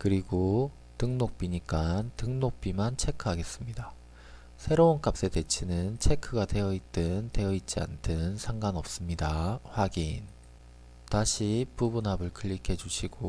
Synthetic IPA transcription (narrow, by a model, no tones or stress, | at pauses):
kɯɾiɡo | tɯŋnok̚p͈iɲik͈antɯŋnok̚p͈imant͡ɕʰe̞kʰɯɦaɡe̞s͈ɯmɲida | sʰe̞ɾounk͈ap̚s͈e̞te̞t͡ɕʰinɯnt͡ɕʰe̞kʰɯɡade̞jʌit̚t͈ɯnte̞jʌit̚t͡ɕ͈ia̰ntʰɯnsʰaŋɡanʌp̚s͈ɯmɲidaɸwaɡin | taɕʰipubunɦabɯɭkʰɯʎːikʰe̞d͡ʑuɕʰiɡo